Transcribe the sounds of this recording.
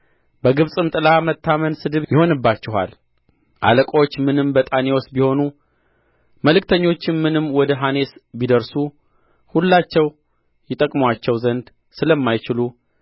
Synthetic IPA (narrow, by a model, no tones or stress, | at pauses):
bəɡɨβsʼɨmt̪ʼɨlamət̪ʰːamənsɨd̪ɨβjɪho̞nɨbːat͡ʃːɪɦa̰l | ʔa̰ləkʼo̞t͡ʃːmɨnɨmbət̪ʼaneosbiho̞nu | məlɨkt̪ʰəɲːo̞t͡ʃːɪnmɨnɨmːwɔd̪əɦane̞sbid̪əɾsu | hulːat͡ʃːɛw | jɪt̪ʼəkʼmwat͡ʃːɛwzənd̪ | sɨləmːajt͡ʃɪlu